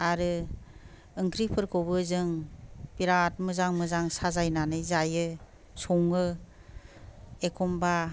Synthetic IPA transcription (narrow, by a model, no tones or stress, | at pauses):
aɾɯ | ɯŋkʰɾipʰɯɾkʰobɯzɯŋpiɾat̚mɯzaŋmɯzaŋsazajnanɯjzajɯ | sɔŋɯ | ekʰɔmba